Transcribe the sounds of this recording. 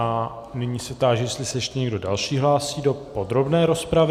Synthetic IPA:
a | nɪɲiːsɛt̪aːʒjɛst̪lɪsɛɛʃt̪ɛɲɛɡdo̞dalʃiːɦlaːsiːdo̞po̞d̪ɾo̞bnɛːɾo̞spɾavɪ

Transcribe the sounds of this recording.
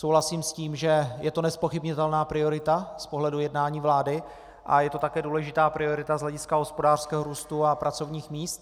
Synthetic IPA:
sowɦlasiːmsciːmʒɛjɛt̪onɛspo̞xɪbɲɪt̪ɛlnaːpɾɪoɾɪt̪aspo̞ɦlɛdujɛdnaːɲiːvlaːdɪ | ʔa̰jɛt̪o̞t̪akɛːduːlɛʒɪt̪aːpɾɪo̞ɾɪt̪azlɛɟɪskaɦo̞spo̞daːr̥skɛːɦoɾuːst̪uapɾʔat͡so̞vɲiːxmiːst̪̚

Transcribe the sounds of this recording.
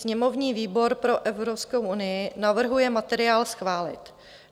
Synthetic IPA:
sɲɛmo̞vɲiːviːbo̞ɾpɾo̞ʔɛvɾopskowʔunɪjɪnavr̩ɦujɛmat̪ɛɾɪaːlsxvaːlɪ̰t̪

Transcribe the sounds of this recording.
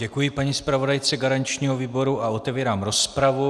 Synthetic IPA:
ɟɛkujɪpaɲispɾavo̞dajt͡sɛɡaɾaɲt͡ʃɲiːɦoviːbo̞ɾuʔao̞t̪ɛviːɾaːmɾo̞spɾavu

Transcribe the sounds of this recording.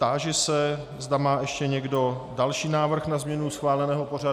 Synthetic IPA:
t̪aːʒɛsɛ | zdamaːʔɛʃcɛɲɛɡdo̞dalʃiːnaːvr̩xnazmɲɛnusxvaːlɛnɛːɦopo̞ra

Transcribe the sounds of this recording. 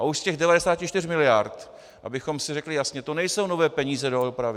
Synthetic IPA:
ʔauʃscɛɣdɛvadɛsaːcɪt͡ʃt̪ɪrmɪlɪjaɾt̪ | ʔa̰bɪxo̞msɪrɛklɪjasɲɛt̪o̞nɛjso̞wno̞vɛːpɛɲiːzɛdoopɾavɪ

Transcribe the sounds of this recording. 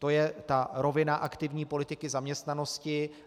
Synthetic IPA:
t̪o̞jɛt̪aɾo̞vɪnaʔakt̪ɪvɲiːpo̞lɪt̪ɪkɪzamɲɛst̪nano̞scɪ

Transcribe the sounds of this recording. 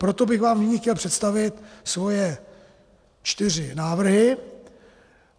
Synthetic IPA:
pɾo̞t̪o̞bɪɣvaːmnɪɲixcɛlpr̝̥ɛt̪st̪avɪt̪svo̞jɛ | t͡ʃt̪ɪr̝ɪnaːvr̩ɦɪ

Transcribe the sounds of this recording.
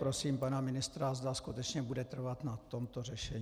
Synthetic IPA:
pɾo̞siːmpanamɪnɪst̪ɾazd̪askut̪ɛt͡ʃɲɛbudɛt̪r̩vat̪nat̪o̞mt̪o̞rɛʃɛɲ

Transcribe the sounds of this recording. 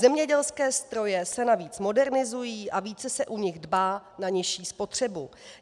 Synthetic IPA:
zɛmɲɛɟɛlskɛːst̪ɾo̞jɛsɛnaviːt͡smo̞dɛɾnɪzujiːʔaviːt͡sɛsɛʔuɲɪɣdbaːnaɲɪʃiːspo̞t̪r̝̥ɛbu

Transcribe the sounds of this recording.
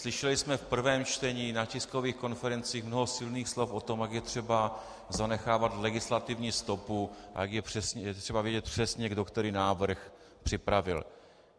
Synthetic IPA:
slɪʃɛlɪsmɛfpr̩vɛːmt͡ʃt̪ɛɲiːnacɪsko̞viːxko̞nfɛɾɛnt͡siːxmnoɦosɪlniːxslo̞fʔo̞t̪o̞mjaɡjɛt̪r̥ɛba | zanɛxaːvat̪lɛɡɪslat̪ɪvɲiːst̪o̞pua̰jaɡjɛpr̝̥ɛsɲɛjɛt̪r̥ɛbavjɛɟɛt̪̚pr̝̥ɛsɲɛɡdokt̪ɛɾɪnaːvr̩x | pr̥ɪpɾavɪ̰l

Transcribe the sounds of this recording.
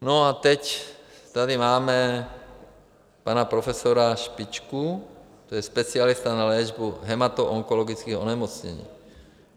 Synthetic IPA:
noat̪ɛct̪adimaːmɛ | panapɾofɛsoɾaʃpit͡ʃku | t̪ojɛspɛt͡sɪalist̪analɛʒbuɦɛmat̪oʔoŋkoloɡit͡skiːo̰nɛmot͡sɲɛ̰ɲḭː

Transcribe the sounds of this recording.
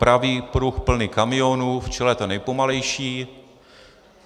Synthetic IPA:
pɾaviːpɾuxpl̩nɪkamɪonuːft͡ʃɛlɛt̪onɛjpomalɛjʃiː

